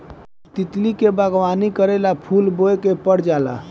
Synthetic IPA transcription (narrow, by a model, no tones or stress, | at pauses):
t̪it̪likebəɡwanikəɾɛlapʰulboekepəɽ̤d͡ʒala̰